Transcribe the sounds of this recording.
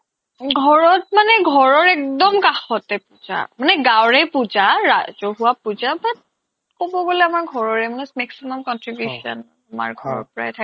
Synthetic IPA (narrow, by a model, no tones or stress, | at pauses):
ɡʱɔɹɔt̚manɛɡʱɔɹɔɹɛk̚dɔmkaxɔtɛpuza̰manɛɡawɹɛpuzaɹazoɦuapuzabat | kobɔɡolɛamaɹɡʱɔɹɔɹɛmanɛmɛksimɔmkɔntɹibjuʃɔ̰n | ama̰ɹɡʱɔɹɔ̰ɹpɔɹa̰ɛtʰa